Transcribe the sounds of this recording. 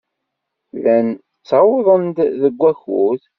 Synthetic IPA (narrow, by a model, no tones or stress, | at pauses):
læn | t͡sːɑweðˤənd̪ðəɡʷːæçuð